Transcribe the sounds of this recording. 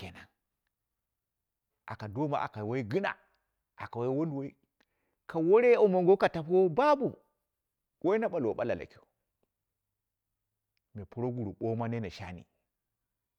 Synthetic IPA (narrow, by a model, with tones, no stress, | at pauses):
ke˨na˨n | a̰˨ka˨do˦ma̰˨ʔa̰˨ka˨wo˦i˦ɡɨ˦na̰˨ | a˨ka˨wa˦i˦wo˦ndwo˦i˦ | ka˨wo˦ɾe˦o˦mo˨ŋɡo˦ka˨ta˨po˦ba˦bu˨ | wʔo˦i˦na˦ɓa˨lwo˨ɓa˦la̰˨la̰˨ki˦˨˦ | me˨pu˦ɾo˦ɡu˨ɾu˨ɓo˦ma˦ne˦na˨ʃa̰˦nḭ˨